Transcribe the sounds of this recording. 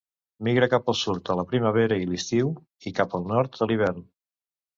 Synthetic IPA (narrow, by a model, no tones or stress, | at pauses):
miɣɾəkapəlˠsuɾt̪ələpɾiməβ̞eɾəilist̪iw | ikapəlˠnɔɾt̪d̪əliβ̞ɛɾn